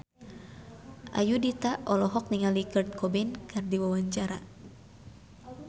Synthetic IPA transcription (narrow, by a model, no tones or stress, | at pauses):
ʔa̰judit̪aʔɔlɔɦɔk̚niŋalikərd̪̚kɔbɛnkardiwawaɲt͡ʃaɾa